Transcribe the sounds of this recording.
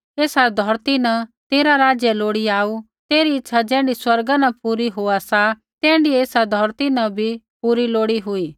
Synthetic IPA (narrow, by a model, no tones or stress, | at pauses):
eːsad̪ʱɔːɾt̪inɐ̃t̪eːɾaɾaːd͡ʒjɛloːɽiaːu | t̪eːɾiɪtːʃʰad͡ʒɛ̃ːɳɖiswɐɾɡanɐpuːɾiɦoːasa | t̪ɛ̃ːɳɖieːsad̪ʱɔːɾt̪inɐbʱi | puːɾiloːɽiɦʊiː